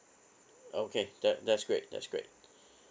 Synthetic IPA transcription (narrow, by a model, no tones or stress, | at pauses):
okʰeð̥ætðætsɡ̥ɹeɪt̚dæ̰tsɡ̥ɹḛt̚